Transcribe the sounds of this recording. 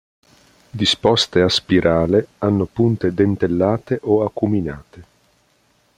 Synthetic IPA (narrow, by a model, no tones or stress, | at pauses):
d̪ispɔst̪easpiɾʔaːleanːopunt̪ed̪ent̪elːaːt̪eʔoakːumina̰ːt̪e